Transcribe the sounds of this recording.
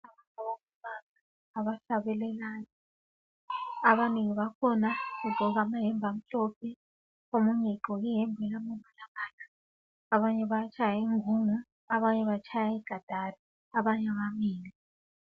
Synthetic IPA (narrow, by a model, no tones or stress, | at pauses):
aβantʰʼaβomuβanaː | βaɬaβɛlɛlani | aβaniŋiβakʰɔnaɣuɡ͡ǃʱɔɣamaɦɛmbʱam̩ɬɔpʰɛ | omuŋɛǃɔiɦɛmbʱɛlamɛmalaβaːnḁ | aβaɲɛβat͡ʃʰajaiŋʱuŋaː | βaɲɛβat͡ʃʰajaiɡ̥ʱad̥ʱari | aβaɲaβamiːli